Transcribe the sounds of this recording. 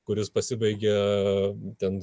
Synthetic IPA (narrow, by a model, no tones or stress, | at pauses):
kʊɾʲɪspɐsʲɪbɐɪɡʲɛ | t̪ʲɛn